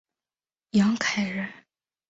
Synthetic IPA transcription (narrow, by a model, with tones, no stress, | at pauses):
jɑ˧˥ŋkʰa˨˩ɪɻə˧˥˦